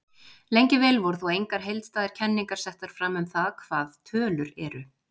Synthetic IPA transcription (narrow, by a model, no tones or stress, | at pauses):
lejɲcɪvɛːlvɔɾθɔejŋkaɾ̥ɦejlt̪st̪aːðɪɾ̥cʰɛnːiŋkḁsɛht̪aɾ̥fɾaːmʏmθaðkʰv̥aːðt̪ʰœːlʏɾɛɾʏ